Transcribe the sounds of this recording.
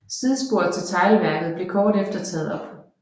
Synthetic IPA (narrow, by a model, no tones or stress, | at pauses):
siðˠsb̥o̝ɐ̰ðˠt͡sʰe̝lt͡sʰɑ̈ɪlʋæɐɡ̥ð̞̩ˠb̥le̝kʰɒːd̥efd̥ɐt͡sʰɛ̰ːð̞̩ˠɒ̽b̥